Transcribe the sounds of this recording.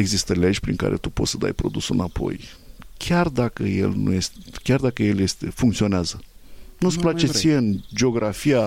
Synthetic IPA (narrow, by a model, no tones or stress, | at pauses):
eɡzist̪əle̞d͡ʒʲpɾiŋka̰ɾʔe̞̰t̪upo̞t̪səd̪a̰jpɾo̞d̪usɨnapo̞̰j | kʲʰard̪akəje̞̰lnṵje̞st̪ekʲard̪akəje̞lje̞st̪e̞fuŋkt̪sio̞neazənut̪splat͡ʃett̪ijeɨnd͡ʒeo̞ɡɾafia